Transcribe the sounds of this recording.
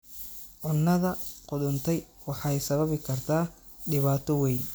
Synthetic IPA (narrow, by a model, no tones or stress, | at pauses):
ʕʊnːɐðɐqʊðʊnt̪ʰɛj | wɑħɑjsɐβɐβɪkʰɐrt̪ʰaː | ɖɪβaːt̪ʰɔwɛjn